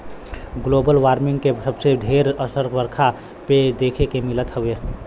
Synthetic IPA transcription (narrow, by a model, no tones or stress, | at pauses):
ɡloːbəlʋaːɾmɪ̃ŋɡkesəbseɖʱeːɾəsəɾʋəɾkʰa | ped̪eːkʰekemɪlət̪ɦəʋe